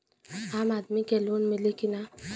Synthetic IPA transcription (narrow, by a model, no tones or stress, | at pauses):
amad̪mikɛlonmilekina